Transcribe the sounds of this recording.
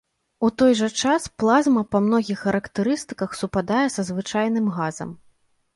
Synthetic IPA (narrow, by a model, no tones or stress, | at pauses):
ut̪ɔjʐɐt͡ʂasplˠazmɐpɐmnɔɣʲixːɐɾɐkt̪ɨɾɨst̪ɨkɐxsupad̪ajɛsɐzvɨt͡ʂajnɨmɣazɐ̰m